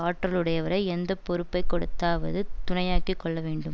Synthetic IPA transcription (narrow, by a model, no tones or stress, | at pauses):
aːʈːrɐlɯɽɐjɐʋɐɾɐɪɛnd̪ɐpɔɾɯpːɐɪkːɔɽɯt̪ːaːʋɐ̰ðɯt̪ʊnɐjaːkikːɔɭːɐʋeːɳɖɯm